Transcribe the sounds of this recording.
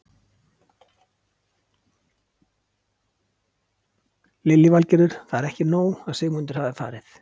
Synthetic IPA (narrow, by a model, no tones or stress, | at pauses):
lɪlːɪvalcɛɾʏɾ̥θaðɛɾɛhcɪnoːwaðsɪːɣmʏnt̪ʏ̥haðɪfa̰ːɾɪθ